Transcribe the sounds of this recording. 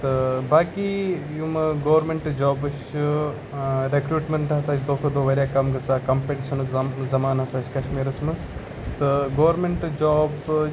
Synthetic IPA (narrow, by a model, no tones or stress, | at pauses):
t̪ɨbaːkijumɐɡoːʋɾmeɳʈd͡ʒaːbɨʃ | ɾekɾuːʈmeɳʈɦɐsaːt͡ʃʰd̪oːkʰɐd̪oːʋɐɾʲjaːkɐmɡɐsaːkɐmpeʈiʃɐnukzɐmaːnɦɐsaːt͡ʃʰkɐʃmiːɾɐsmɐs | t̪ɨɡoːʋɾmeɳʈd͡ʒaːb